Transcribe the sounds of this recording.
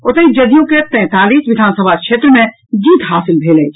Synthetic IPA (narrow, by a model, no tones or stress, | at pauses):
ot̪əid͡ʒəd̪ijõket̪ɛ̃ːt̪aːliːsʋid̪ʱaːnsəbʱakʃʰet̪ɾəmẽ | d͡ʒiːt̪ɦaːsilbʱelɛjt͡ʃʰ